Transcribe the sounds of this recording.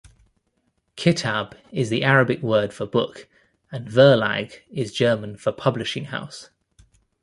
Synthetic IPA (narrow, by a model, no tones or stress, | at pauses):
kʰɪtʰab̥ɪzðiʔaɹəbɪkwɜːd̥fəbʊk | ə̃nvɜːla̰ɡɪzd͡ʒɜːmə̃nfəpʰʌblɪʃɪ̃ŋha̰ʊs